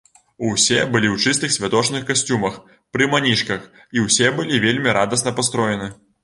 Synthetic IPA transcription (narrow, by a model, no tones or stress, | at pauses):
uwsʲɛbɨlʲiwt͡ʂɨst̪ɨxsʲvʲat̪ɔt͡ʂnɨxkasʲt͡sʲumɐx | pɾɨmanʲiʂkɐx | iwsʲɛbɨlʲivʲelʲmʲiɾad̪ɐsnɐpast̪ɾɔjɛnɨ